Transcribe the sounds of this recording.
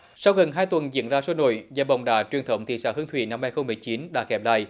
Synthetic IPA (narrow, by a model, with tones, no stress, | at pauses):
sa˧wɣə˨˩nɦaː˧jt̪wə˨˩nzḭ˧˨ənzaː˧so˧˦no̰˧˨jzaː˧˩ɓə̰˧˨wŋ͡mɗa̰ː˧˩t͡ɕwi˨˩ənt̪ʰə˧˩wŋ͡mt̪ʰḭ˧˨˩sa̰ː˧˩hɨ˨˦əŋt̪ʰwḭ˧˨na˧mhːaː˧jxə˧wŋ͡mmɨ˨˩əjt͡ɕi˨˦nɗa̰ː˧˥xɛ˨˦˩p̚la̰ː˧˨j